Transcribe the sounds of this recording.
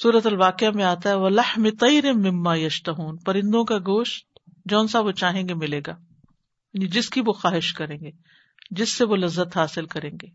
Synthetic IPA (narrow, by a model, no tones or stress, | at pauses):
suːɾət̪ɐlʋaːqɪamẽaːt̪aɦɛʋɐlɐħmɪt̪ˤɑjɾɪːɪmːaːjɐʃt̪ɐɦuːnpɐɾɪ̃nd̪õkaɡoːʃt̪̚ | d͡ʒɔːnsaːbʋot͡ʃaːɦẽːɡemɪleːɡaː | nid͡ʒɪskiʋoxaːɦɪʃkɐɾẽːŋɡeː | d͡ʒɪsːeʋolɐzːət̪ɦaːsɪlkɐɾẽːŋɡeː